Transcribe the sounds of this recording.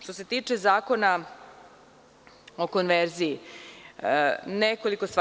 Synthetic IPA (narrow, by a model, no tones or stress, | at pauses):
ʃt̪ose̞t̪iːt͡ʂezaːko̞na | o̞ko̞nʋeɾziji | neko̞liko̞st̪